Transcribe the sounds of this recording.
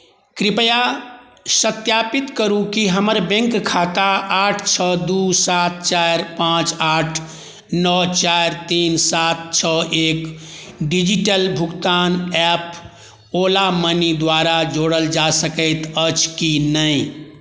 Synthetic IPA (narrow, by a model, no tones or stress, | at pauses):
kɾipəja | sət̪japit̪kəɾukiɦəməɾbẽŋkkʰat̪aaʈʰt͡ʃʰəd̪usat̪̚t͡ʃaɾpãt͡ʃaːʈʰ | nɔt͡ʃaɾt̪insat̪̚t͡ʃʰəʔek | ɖid͡ʒiʈəlbʱuɡt̪anɛp | olamənid̪waɾad͡ʒoɽəld͡ʒasəkəɪt̪ət͡ʃkinəɪ